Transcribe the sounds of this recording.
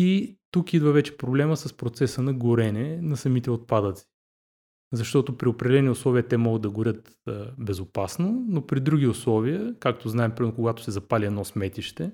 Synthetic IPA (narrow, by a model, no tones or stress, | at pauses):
it̪ukid̪vəvɛt͡ʃɛ̥pɾoblɛməsəspɾot̪sɛsənɐɡʊɾɛnɛnɐsɐmit̪ɛot̪̚pad̪ət̪si̥ | zɐʃt̪ɔt̪ʊpɾiopɾʲɛd̪ʲɛlɛniʊslˠɔvʲiət̪ɛmɔɡəd̪̚d̪ɐɡʊɾʲət̪ | bɛzʊpasnonopɾid̪ɾuɡʲiʊslˠɔvʲiəkak̚t̪oznaɛmpɾʲimɛnokoɡat̪ʊ̥sɛzɐpalʲiɛd̪nɔsmɛt̪iʃt̪ɛ